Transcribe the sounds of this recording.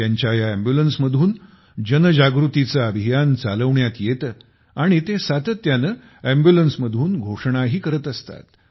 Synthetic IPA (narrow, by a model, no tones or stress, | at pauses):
jaɲt͡ɕjajaæmbjulənsməd̪ʱuːn | d͡ʑənəd͡ʑaɡɾut̪it͡saəbʱijant͡saləʋɳjat̪jet̪ː | aɽ̃it̪esat̪ət̪ːjanə | æmbjulənsməd̪ʱuːnɡʱoʂɳ̃aɦiːkəɾət̪əst̪a̰t̪